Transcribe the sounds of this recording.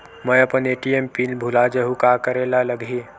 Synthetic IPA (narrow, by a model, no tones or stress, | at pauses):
mə̃jəpəneʈiempiːnbʱulad͡ʒəɦukakəɾelaləɡʱi